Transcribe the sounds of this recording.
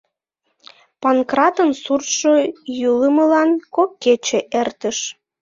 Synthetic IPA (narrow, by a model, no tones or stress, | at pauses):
pɑnkrɑt̪ənsurʃojuləməlɑnkokːet͡ɕeʔert̪əʃ